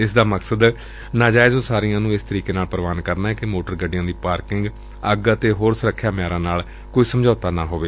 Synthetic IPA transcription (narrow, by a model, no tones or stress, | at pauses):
ɪsd̪aːməksəd̪ | naːd͡ʒaːɪzoːsaːɾɪjãːnũːɪst̪əɾiːkeːnaːlpəɾəʋaːnkəɾnaːɦɛːkɪmoːʈəɾɡəɖɪjãːd̪iːpaːɾkɪŋɡ | əɡət̪eːɦoːɾsəɾəkʰːjaːmɪjaːɾãːnaːl | koːiːsəmd͡ʒɔːt̪aːnãːɦoːʋeː